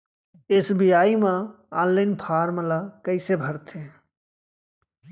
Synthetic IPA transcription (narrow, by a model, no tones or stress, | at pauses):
esbijaːimã | aːnlaɪnpʰaːɾməlakəɪsebʱəɾt̪ʰe